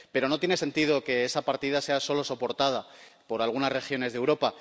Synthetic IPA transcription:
pe̞ɾo̞not̪jenese̞nt̪ið̞o̞ke̞esapaɾt̪ið̞ase̞aso̞lo̞so̞po̞ɾt̪að̞a | po̞ɾalɣ̞unazre̞xjo̞ne̞zðewɾo̞pa

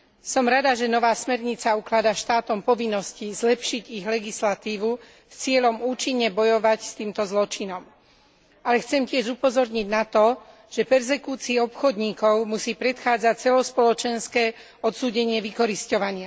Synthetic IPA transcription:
sɔmɾad̪aʒɛnɔʋaːsmɛɾɲit͡sauklad̪aʃt̪aːt̪ɔmpɔʋinːɔscizlɛpʃiɟiɣlɛɡislat̪iːʋu | st͡sɪɛʎɔmuːt͡ʃiɲːɛbɔjɔʋacst̪iːmt̪ɔzlɔt͡ʃinɔm | alɛxt͡sɛmcɪɛʒupɔzɔɾɲiɟnat̪ɔ | ʒ̥ɛpɛɾzɛkuːt͡siːɔpxɔd̪ɲiːkɔʊmusiːpɾɛt̪xaːd͡zac̚t͡sɛlɔspɔlɔt͡ʃɛnskɛː | ɔt̪suːɟɛɲɪɛʋikɔɾiscɔʋaɲɪa

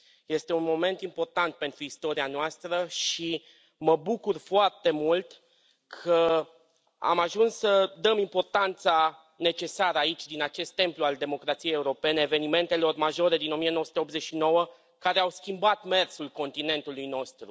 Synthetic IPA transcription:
je̞st̪e̞unmo̞me̞nt̪impo̞rt̪ant̪̚pe̞nt̪ɾuist̪o̞ɾianoast̪ɾəʃi | məbukurfoart̪e̞mult̪ | kʰə | a̰maʒunssəd̪əmimpo̞rt̪ant̪sa | ne̞t͡ʃe̞saɾəait͡ʃʲd̪inat͡ʃe̞st̪ːe̞mpluald̪e̞mo̞kɾat̪sijejeuɾo̞pe̞ne̞ːve̞nime̞nt̪e̞lo̞rmaʒo̞ɾe̞d̪ino̞mijenowəsut̪eo̞p̪ze̞ʃino̞wə | kaɾe̞awskʲimbat̪me̞rsulko̞nt̪ine̞nt̪ulujno̞st̪ɾu

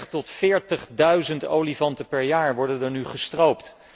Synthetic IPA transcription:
χtɔtfɪːɹtəχdœɥzənto̰wlivɑntəpɛɹjaːɹʋɔɹdəndəɹnyχəstrowpt

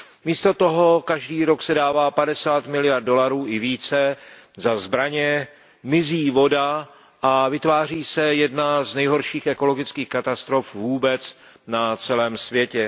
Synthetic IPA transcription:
miːst̪o̞t̪o̞ɦo̞kaʒdiːɾo̞ksɛdaːvaːpadɛsaːt̪mɪlɪjardo̞laɾuːʔɪviːt͡sɛ | zazbɾaɲɛ | mɪziːvo̞da | ʔavɪt̪vaːr̝iːsɛjɛdnaznɛjɦo̞ɾʃiːxʔɛko̞lo̞ɡɪt͡skiːxkat̪ast̪ɾo̞fvuːbɛt͡s | nat͡sɛlɛːmsvjɛcɛ

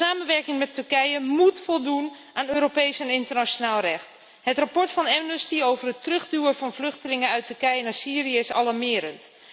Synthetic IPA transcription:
aːmənʋɛɹkɪŋmɛtːɵɹkɛjəmutfɔlˠdun | ʔaːnøːɾopejsɛnɪntərnat͡ʃonaːlˠrɛxt | hətrapɔɹtfɑnɛvnəstiowvərətrɵxdyːəvɑnvlɵxtəlɪŋəœɥtɵɹkɛjənaɹsiːrijəɪsɑ̰laɹmɪəɾənt

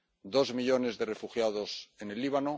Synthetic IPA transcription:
d̪o̞zmiʎo̞ne̞zðe̞re̞fuxjaðo̞se̞ne̞lːiβ̞ano

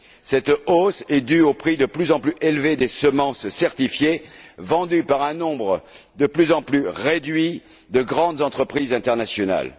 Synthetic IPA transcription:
sɛt̪osɛd̪yopχid̪əplyzɑ̃plyʔelved̪esəmɑ̃sːɛʁt̪ifjevɑ̃d̪ypaʁɛ̃nɔ̃bʁə | d̪əplyzɑ̃plyʁed̪ɥi | d̪əɡʁɑ̃d̪zɑ̃t̪χəpχizɛ̃t̪ɛʁnasjɔna̰l

